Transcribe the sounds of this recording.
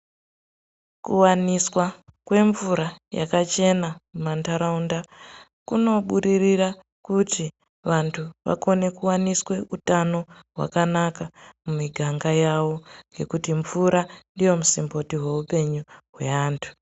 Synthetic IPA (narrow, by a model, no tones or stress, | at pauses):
kuwaniswakwe̞ɱvuɾaja̰kat͡ʃe̞namumantaɾaunda | kuno̞ɓuɗirira | kuti | ʋantʰuʋa̰ko̞ne̞kuwaniswe̞ʔutano̞ɦwa̰kanakamumiɡʱaŋɡajawo̞ŋɡe̞kutiɱvuɾandijo̞musimbo̞tiɦwe̞upe̞ɲuɦwe̞aːntʰu̥